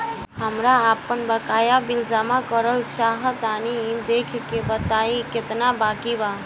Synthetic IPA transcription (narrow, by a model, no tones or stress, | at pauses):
ɦəmɾaːpənbəkajabild͡ʒamakəɾəlt͡ʃaɦət̪anid̪ekʰkebət̪aiket̪nabakiba